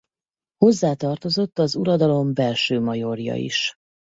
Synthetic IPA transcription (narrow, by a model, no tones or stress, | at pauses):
ho̞zːaːt̪ɒrt̪o̞zo̞t̪ːɒzuɾɒd̪ɒlo̞mbɛlʃøːmɒjo̞rjɒ̰ḭʃ